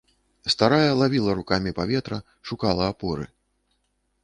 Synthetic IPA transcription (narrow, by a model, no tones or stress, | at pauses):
st̪aɾajɐlˠavʲilˠɐɾukamʲipavʲɛt̪ɾɐ | ʂukalˠɐːpɔɾɨ̰